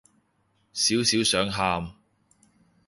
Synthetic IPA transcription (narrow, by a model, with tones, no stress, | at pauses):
siː˨˥wsiː˨˥wsœː˨˥ŋɦaː˧m